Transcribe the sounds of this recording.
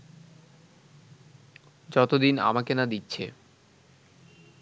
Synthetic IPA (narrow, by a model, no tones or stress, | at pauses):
d͡ʑɔt̪od̪ina̰makenad̪itːɕʰḛ